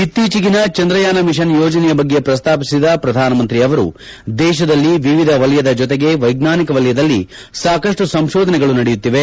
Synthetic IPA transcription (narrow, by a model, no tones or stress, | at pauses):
it̪ːiːt͡ʃiɡinɐt͡ʃɐnd̪ɾɐjaːnɐmiʃɐnjoːd͡ʒɐnɛjɐbɐɡːe̞pɾɐst̪ʰaːpisid̪ɐpɾɐd̪ʱaːnɐmɐnt̪ɾiɐʋɐɾṵ | d̪ɛːʃɐd̪ɐlːiʋiʋid̪ʱɐʋɐljɐd̪ɐd͡ʒɔt̪̬eɡe̞ʋɐjɡnaːnikɐʋɐljɐd̪ɐlːi | saːkɐʂʈusɐmʃɔːd̪ʱɐnɛɡɐɭunɐɽɛjut̪ːiʋe̞